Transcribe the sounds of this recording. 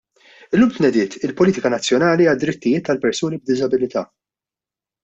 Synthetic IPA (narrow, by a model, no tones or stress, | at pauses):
ɪlːuːmt̪nɛd̪ɪːt̪ɪlpɔliːt̪ɪkɐnɐt͡sːjɔnɐːliɐd̪ɾɪt̪ːɪjɪːt̪ːɐlpɛɾsuːnib̚d̪ɪzɐbɪlɪt̪ɐː